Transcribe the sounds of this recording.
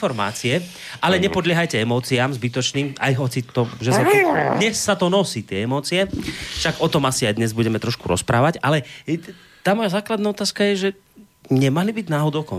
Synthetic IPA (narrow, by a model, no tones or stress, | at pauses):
fɔɾma̰ːt͡siɛ | ʔalɛɲɛpɔd̪lɪɛɦajcɛɛmɔːt͡siaːmzbit̪ɔt͡ʃniːma̰jɦɔt͡sit̪ɔʒɛsad̪ɲɛsːat̪ɔnɔsiːt̪ɪɛɛmɔːt͡siɛʃaɡɔt̪ɔmasiajd̪ɲɛzbuɟɛmɛt̪ɾɔʃkuɾɔ̰spɾaːʋaɟalɛ | t̪aːmɔjazaːklad̪naːɔt̪aːskajɛʒɛ | ɲɛmalibiɟnaːɦɔd̪ɔʊkɔ̰